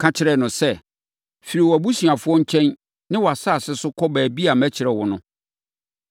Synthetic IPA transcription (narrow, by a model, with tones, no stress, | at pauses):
kʰã˦t͡ɕʰɪ˦ɾɛ˨nʊ̃˨sɛ˦˨ | fi˨ɾi˨wɔ˨æ˨bu˦si˨a˨fʊ˦ɔ̃˦ɲ̩˦t͡ɕʰɛ̃˦n | nɪ̃˦wɔ˨a˨sa˦˨sɪ˦sʊ˦kʰɔ˦bæː˨bi˦a˨mæ˦t͡ɕʰɪ˨ɾɛ˨wɔ˨nʊ̰̃˦